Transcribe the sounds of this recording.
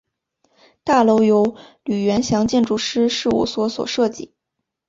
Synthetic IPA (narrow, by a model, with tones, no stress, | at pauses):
t̪a˥˩lo˧˥ʊjo˧˥ʊly˨˩ɥɛ˧˥nɕjɑ˧˥ŋt͡ɕjɛ˥˧nʈ͡ʂu˥˩ʂɻ̩˥ʂɻ̩˥˧ṵ˥˩swɔ˧˥swɔ̰˨˩ʂɤ˥˧t͡ɕḭ˥˩˦